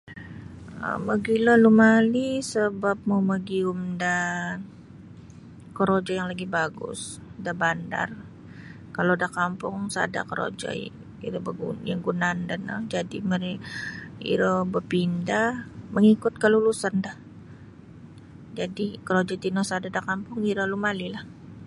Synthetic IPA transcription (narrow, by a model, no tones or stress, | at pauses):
ə̰məɡilɔlumalisəbap̚moməɡiumda | kəɾod͡ʒɔjaŋlaɡibaɡʊ̰sdabanda̰r | kalodahkampʊŋsa̰da̰kəɾo̰d͡ʒɔ̰ | ḭɾəbəɡujaŋɡunandanə̰d͡ʒadiməɾi | ḭɾobəpindahməŋikʊt̪̚kəlulusandah | d͡ʒadikəɾod͡ʒɔt̪inosadadakampʊŋiɾalumalilah